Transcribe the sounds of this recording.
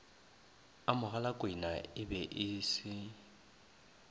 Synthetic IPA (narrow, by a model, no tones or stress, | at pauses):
amʊɣalakʼwɪnaɪbɛʔɪːsɪ